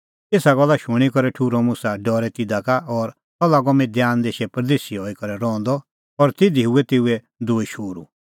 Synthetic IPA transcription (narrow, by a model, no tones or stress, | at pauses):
eːsaɡɔlːaʃʊɽ̃ikɔɾɛʈʰuɾɔmʊ̃saɖɔːɾɛt̪ɪd̪akaʔɔːɾ | ɔlːaɡɔmĩd̪jaːnd̪eːʃɛpɾd̪eːsiɦɔːikɔɾɛɾɔ̃ːnd̪ɔ | ɔɾt̪ɪd̪iɦuɛt̪eːuɛ | d̪oːiʃoːɾṵ